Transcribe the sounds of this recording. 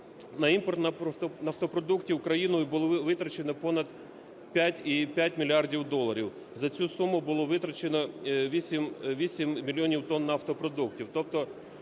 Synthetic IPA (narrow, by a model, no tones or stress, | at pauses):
nɐimpɔrt̪nɐnɐft̪ɔpɾɔd̪uktʲiʊkɾɐjinʊbʊlˠʋɪt̪ɾɐt͡ʃenɔpɔnɐd̪ | pʲjatʲipʲjat̚ʲmʲilʲiɑrdʲiwd̪ɔlˠːɐɾʲiw | zɐt͡sʲusumʊbʊlˠɔʋɪt̪ɾɐt͡ʃenɔʋʲisʲimʋʲisʲimmʲilʲiɔnʲiwt̪ɔnːɐːft̪ɔpɾɔd̪uktʲiwt̪ɔp̚t̪ɔ